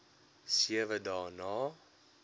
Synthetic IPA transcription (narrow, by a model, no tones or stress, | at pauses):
siəvədɑːnɑː